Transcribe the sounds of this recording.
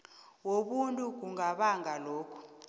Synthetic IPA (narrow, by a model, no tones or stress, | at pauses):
woɓuntʼuk̬uŋaɓaŋaloːkʰu̥